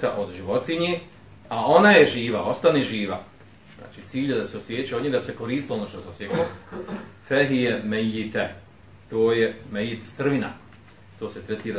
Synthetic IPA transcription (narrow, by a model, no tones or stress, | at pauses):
t̪aʔo̞d̪ʒiʋo̞t̪iɲe | ao̞najeʒiːʋao̞st̪aniʒiːʋa | z̥na̰ːt͡ʃiːt̪siːʎed̪aseosjeːt͡ʃiod̪ɲid̪abise̞ko̞ɾiːst̪lonoːʃt̪oseosjeko | feɦijemejːit̪e | t̪oːjemejːit̪st̪r̩ʋina̰ | t̪oːset̪ɾet̪iːɾa